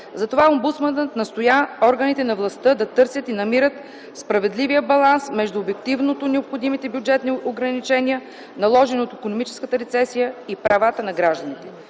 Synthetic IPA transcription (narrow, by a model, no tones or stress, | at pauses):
zɐt̪ovaombut̪smənət̪nɐst̪ojaɔɾɡənit̪ɛnɐvlˠɐst̪ɤd̪ɐt̪ɤɾsʲət̪inɐmiɾət̪ | spɾɐvɛd̪livijəbɐlˠansmɛʒd̪uobɛk̚t̪ivnot̪onɛopxod̪imit̪ɛbʲjʊd͡ʒɛt̪nioɡɾɐnit͡ʃɛnʲiə | nɐlˠɔʒɛnot̪ikonomit͡ʃɛ̥skət̪əɾɛt̪sɛsijəipɾɐvat̪ənɐɡɾaʒd̪ɐnit̪ɛ